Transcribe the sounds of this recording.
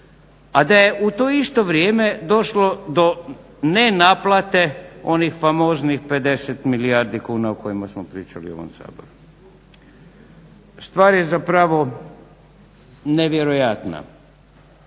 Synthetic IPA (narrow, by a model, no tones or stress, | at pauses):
ad̪ajeʔut̪oːist̪o̞ʋɾjeːme̞d̪o̞ʃlo̞d̪o̞ | nenaplˠat̪e̞o̞nixfamoːznixpe̞d̪e̞set̪miliaːɾd̪ikuːnaoko̞jimasmopɾiːt͡ʃa̰lio̞̰ʋo̰msa̰ːboɾu | st̪ʋaːɾjezapɾaʋo | neʋjeɾojat̪na̰